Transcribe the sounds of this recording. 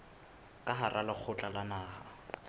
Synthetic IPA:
kʼaɦarʔalɪk͡xʰʊt͡ɬʼalanaːha

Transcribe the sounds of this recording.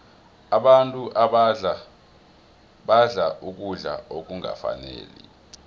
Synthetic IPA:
aɓantʼuʔaɓ | ɓaɮaʔuk̬ʼuɮa̰ok̬ʼuŋa̰fa̰nḛːlḭ

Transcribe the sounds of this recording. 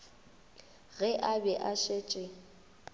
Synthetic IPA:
ɣɛʔabɛʔaʃet͡ʃʼɪ

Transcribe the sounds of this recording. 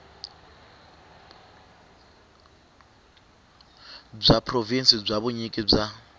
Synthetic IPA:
b͡ʐʷapʰrovinsib͡ʐʷaβuɲikʼib͡ʐa

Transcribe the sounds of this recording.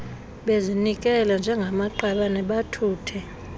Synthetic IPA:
ɓezinik̬ʼɛland͡ʒʱɛŋɡʱamaǃaɓanɛɓatʰuːtʰɛ

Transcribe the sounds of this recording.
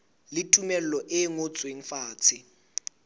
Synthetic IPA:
lɪtʼumɛl̩lɔʔɪŋot͡sʼweŋ̩faːt͡sʰɪ

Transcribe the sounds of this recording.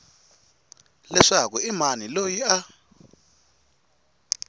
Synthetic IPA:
lɛʂakɔimanilojia

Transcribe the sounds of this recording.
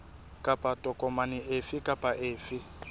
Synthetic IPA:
kʼapʼatʼɔkʼɔmanɪʔefɪkʼapʼaʔeːfɪ

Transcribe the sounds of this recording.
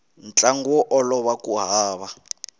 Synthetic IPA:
nt͡ɬʼaŋɡuɔʔɔlɔβakuɦaːβa

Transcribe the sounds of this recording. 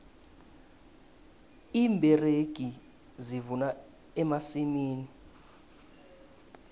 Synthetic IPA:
iːmbʱɛreɡ̥ʱi | zivuna | ɛmasimiːni

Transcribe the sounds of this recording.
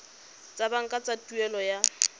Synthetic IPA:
t͡sʼabaŋ̩kʼat͡sʼatʼuɛlɔja

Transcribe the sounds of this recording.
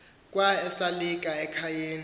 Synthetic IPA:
kʼwaɛsalikʼaɛkʰajeːni

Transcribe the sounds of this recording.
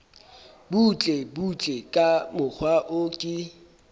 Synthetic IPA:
but͡ɬʼebut͡ɬʼekʼamʊk͡xʰwaʔʊkʼɪ

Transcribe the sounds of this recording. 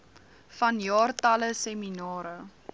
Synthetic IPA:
fɐnjɑːrtɐləseminɑːɾə

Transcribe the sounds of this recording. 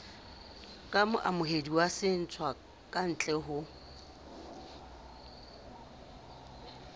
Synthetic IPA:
kʼamʊʔamʊɦediwasɪn̩t͡sʰwa | kʼan̩t͡ɬʼɛɦʊ

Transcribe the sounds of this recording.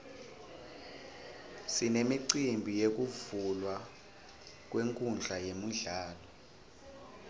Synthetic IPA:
sinemiǀimbʱijek̬uvulwa | k̬ʼweŋkʼund͡ɮʱajemuɮaːlɔ

